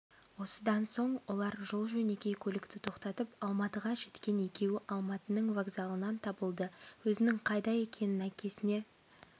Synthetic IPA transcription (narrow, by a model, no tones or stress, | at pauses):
wo̞səd̪ɑnso̞ɴwo̞lˠɑɾʒolˠʒɵne̞kʲe̞jkʲʰɵlɪkt̪ɪt̪ʰo̞qt̪ɑt̪əpɑlˠmɑt̪əʁɑʒe̞t̪kʲe̞ne̞kʲe̞wɪʔɑlˠmɑt̪ənəɴvaɡzɑlˠənɑnt̪ʰɑbəlˠd̪əwɵzɪnɪŋqʰɑjd̪ɑje̞kʲʰe̞nɪnækʲʰe̞sɪne̞